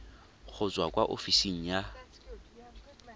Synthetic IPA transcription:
ɣʰʊt͡swakʼwaʔofisiŋ̩ja

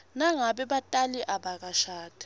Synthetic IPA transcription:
naŋaɓɛɓatʼaliʔaɓak̬aʃaːtʰʼi̥

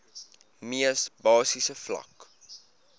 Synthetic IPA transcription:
miəsbɑːsisəflɐ̰k

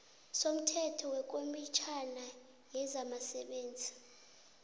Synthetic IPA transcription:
som̩tʰɛtʰɔwɛk̬ʼomit͡ʃʰana | jɛzamasɛɓeːnd͡zʱi

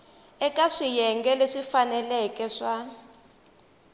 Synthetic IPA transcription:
ɛkʼaʂijɛŋɡɛleʂifanɛlɛkʼɛʂa

